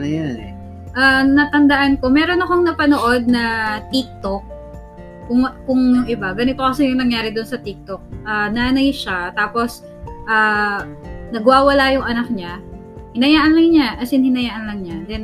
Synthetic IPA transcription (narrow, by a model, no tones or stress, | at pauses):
ɐjanɛ | ʔanɐt̪ɐnd̪ɐʔanko̞mɛɾo̞nɐkoŋnɐpɐnoʔo̞d̪̚nɐt̪ik̚t̪ok̚ː | ʊŋkʊŋjʊŋʔɪbaɡɐnɪt̪okɐsɛjʊŋnɐŋjaːɾɪd̪onsɐt̪ik̚t̪ok̚ʔananɐjʃat̪aːpo̞s | ʔaː | nɐɡwaːwɐlajʊŋʔɐnak̚ɲa | hɪnɐjaːʔɐnlɐŋɲaʔɐsɪnhɪnɐjaːʔɐnlɐŋɲad̪ɛn